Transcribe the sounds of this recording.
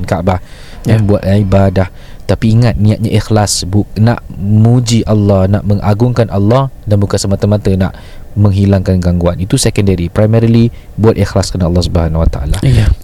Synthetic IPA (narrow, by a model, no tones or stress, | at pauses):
nkaʔbah | janbuat̪ibadah | t̪apiːŋat̪̚nĩat̪̚ɲaʔixlasbuna̰ʔmud͡ʒiʔalːɑhna̰ʔmə̃ŋʔaɡʊŋkanʔɑlːɑhdanbukansəmat̪əmãt̪əna̰ʔ | mə̃ŋɦilaŋkanɡaŋɡuanit̪usɛkəndəɾipɾajmɛɾli | buat̪ʔixlaskanəɑlːɑhsubəɦanwat̪aʔa̰la